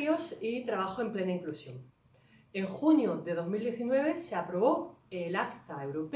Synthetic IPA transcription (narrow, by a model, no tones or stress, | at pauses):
josit̪ɾaβ̞axoe̞mple̞naiŋklusjo̞ŋ | e̞ŋxunjoðe̞ð̞o̞zmild̪je̞θinwe̞β̞e̞seapɾo̞β̞o̞elakt̪aewɾop